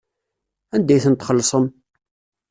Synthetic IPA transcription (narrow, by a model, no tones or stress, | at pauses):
ænd̪æjθənt̪χəlːsˤəm